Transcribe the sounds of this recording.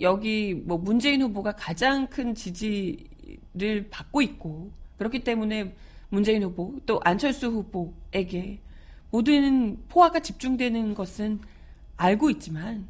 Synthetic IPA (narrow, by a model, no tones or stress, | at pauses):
jʌɡimwʌmund͡ʑe̞inɸuboɡakad͡ʑaŋkʰɯnt͡ɕid͡ʑi | ɾɯɭpak̚k͈oit̚k͈okɯɾʌkʰit͈e̞mune̞ | mund͡ʑe̞inɸubot͈oʔant͡ɕʰʌɭs͈uɸuboe̞ɡe̞ | modɯnɯnpʰoɦaɡat͡ɕip̚t͡ɕ͈uŋdwe̞nɯnɡʌsʰɯn | aɭɡoit̚t͡ɕ͈iman